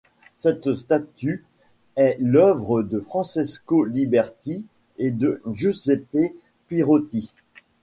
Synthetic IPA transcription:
sɛt̪st̪at̪y | ɛlœvʁəd̪əfχɑ̃seskolibɛʁt̪i | ed̪əʒuzepe | piʁot̪i

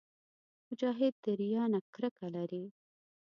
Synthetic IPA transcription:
mʊd͡ʒɑɦɪd̪̚ːəɾjɑnakɾəkalaɾi

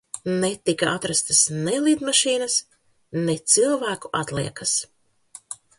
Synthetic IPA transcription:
net̪ikaʔat̪ɾast̪asnɛlˠiːd̪maʃiːnɐs | net̪silˠvæːkuʔat̪lḭɛkas

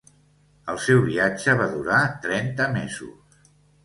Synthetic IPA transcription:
əlˠsɛwβiad͡ʒəβ̞aðuɾat̪ɾɛnt̪əmezṵs

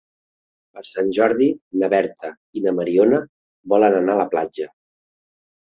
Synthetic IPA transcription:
pəɾsanʲʒɔɾðinəβɛɾt̪ə | inəməɾionə | bɔlənənaələplad͡ʒə

